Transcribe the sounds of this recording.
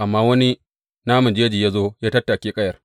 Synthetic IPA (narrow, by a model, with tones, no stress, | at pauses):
ʔa˨mːaː˦wɐ˦ni˦ | naː˦mʊ˨nd͡ʒe˦d͡ʒiː˨jaː˦zoː˦jaː˦tɐ˦tːa˨kʲeː˦kʼɐ˦jɐ˨r